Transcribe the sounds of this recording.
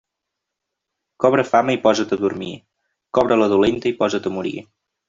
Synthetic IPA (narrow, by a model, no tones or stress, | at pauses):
kɔβ̞ɾəfaməipɔzət̪əðuɾmḭ | kɔβɾələðulent̪əipɔzət̪əmuɾḭ